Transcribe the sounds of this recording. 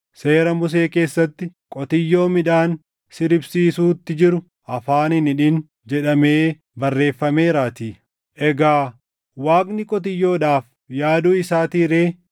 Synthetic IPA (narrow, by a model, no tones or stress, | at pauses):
se̞ːɾɐmʊs̬e̞ːke̞ːsːɐt̪ːɪkʼɔt̪ɪjːo̞ːmɪᶑaːn | sɪɾɪbsiːsuːt̪ːɪd͡ʒɪɾʊ | ʔɐfaːnɪnɪᶑɪn | d͡ʒɛᶑɐmeː | bɐrːe̞ːfːɐmeːɾaːt̪iː | ʔɛɡaː | waːɡnɪkʼɔt̪̬ɪjːo̞ːᶑaːf | jaːd̪uːɪsaːt̪iːɾe̞ː